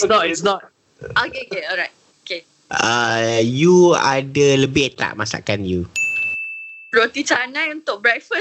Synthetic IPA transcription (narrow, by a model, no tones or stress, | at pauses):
nɔtisnɔt̚ | okeokeɔlɹajt̚oke | əjua̰dələbɪhət̪a̰ʔ̚masa̰kanju | pɹot̪it͡ʃanãjũnt̪ʊk̚bɹɛkfə